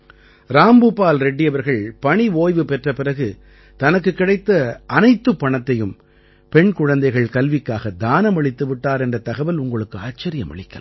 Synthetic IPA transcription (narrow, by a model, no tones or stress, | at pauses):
ɾaːmbɯpːaːlɾɛɖːɪjɐʋɐɾɣɐɭpɐɳiʋoːjʋɯpɛʈrɐpɪrɐɣɯ | t̪ɐnɐkːɯkːɪɽɐɪt̪ːɐʔɐnɐɪt̪ːɯpːɐɳɐt̪ːɐjɯm | pɛɳkʊɻɐnd̪ɐɪɣɐɭkɐlʋɪkːaːɣɐd̪aːnɐmɐɭɪt̪ːɯʋɪʈːaːɾɛndrɐt̪ɐɣɐʋɐlʊŋɡɐɭɯkːɯaːt͡ʃːɐɾɪjɐmɐ̰ɭɪkːɐ̰l